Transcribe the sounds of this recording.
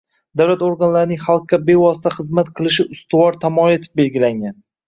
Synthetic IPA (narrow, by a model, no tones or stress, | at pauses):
d̪awlat̪oɾɡanlaɾɪnɪŋχalˠqːabe̞vɒs̬ɪ̥t̪ʰaχɨzmat̪qʰɨlˠɪʃɪʊst̪ɪwɒɾt̪ʰamɒet̪ʰɪ̥p̚be̞lɡʲɪlaŋɡʲan